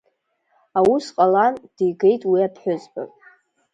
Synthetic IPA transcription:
awusqʼaland̥ijɡe̞jtʼwiapʰħʷᶣʊzba̰pʼ

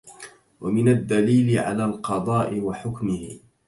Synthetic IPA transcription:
wʔamɪnad̪ːaliːlɪʕa̰laːlqɑd̪ˤɑːʔɪwaħʊkmɪhɪ

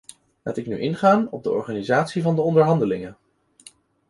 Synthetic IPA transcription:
la̰ːtɪkny̰ʔɪnχaːnɔb̚dəʔɔ̰ɹχaːnizaːtsivɑndəɔndəɹɦɑndəlɪŋən

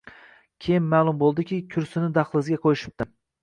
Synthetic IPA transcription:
kʲʰejɪnmaːlˠʊmbolˠd̪ɪkʲɪkʲʰʊɾsɪnɪd̪ɑχlˠɪzɡʲaqʰojɪʃɪ̥p̚t̪ɪ

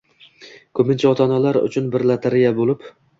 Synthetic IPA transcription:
kʰɵpɪnt͡ʃʰaɒt̪ʰɒnalaɾʊ̰t͡ʃʰʊnbɪɾlat̪ʰaɾɪjabolˠɪp

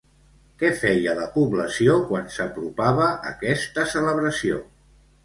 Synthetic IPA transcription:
kɛfɛjələpuβləsiokwansəpɾupaβəʔːkɛst̪əsələβɾəsio̰

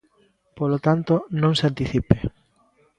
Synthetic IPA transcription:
polot̪ant̪onõŋsant̪iθipe

